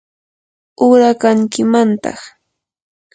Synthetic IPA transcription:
ʊɾakaŋkɪmant̪ɑ̰χ

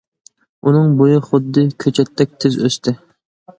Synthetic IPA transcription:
unɨŋbojɪχʊd̪ːɨkʲʰøt͡ʃʰɛt̪ʰːɛk̚ʲt̪ʰɪzøst̪ʰɪ

